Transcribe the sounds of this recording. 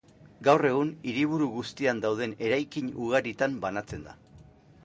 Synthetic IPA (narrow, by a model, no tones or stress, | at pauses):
ɡawre̞ɣ̞uniɾiβuɾuɣust̪iand̪awð̞e̞ne̞ɾajkiɲuɣ̞aɾit̪ambanat͡se̞nd̪a̰